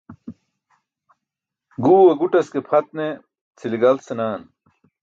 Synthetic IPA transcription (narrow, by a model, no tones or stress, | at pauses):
ɡuːweɡuʈɐskepʰɐt̪̚ne | t͡sʰiliɡɐlsenaːn